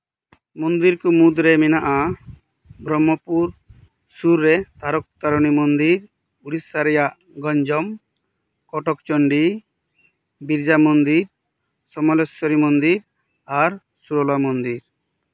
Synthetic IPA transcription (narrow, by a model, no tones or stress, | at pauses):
mɔnd̪iɾkumud̪ɾeminaʔa | bɾɔmːɔpuɾ | suɾːet̪aɾɔk̚t̪aɾɔnimɔnd̪iɾ | uɽisaɾijaʔ | ɡɔɲd͡ʒɔm | kɔʈɔkt͡ʃɔɳɖi | biɾd͡ʒamɔnd̪iɾ | sɔmɔlɔsɔɾimɔnd̪iɾ | aɾ | suɾɔlamɔnd̪iɾ